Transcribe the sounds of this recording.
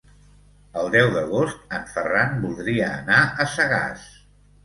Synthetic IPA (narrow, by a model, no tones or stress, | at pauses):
əlˠd̪ɛwðəɣost̪̚əɱfəranbulˠd̪ɾiəːnaəsəɣa̰s